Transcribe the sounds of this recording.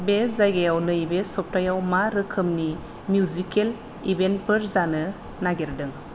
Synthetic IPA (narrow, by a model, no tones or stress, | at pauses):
bezajɡajawnɯibesɔp̚tajawmaɾɯkʰɯmni | mjuzikel | ibent̚pʰɯɾzanɯ | naɡeɾdɯŋ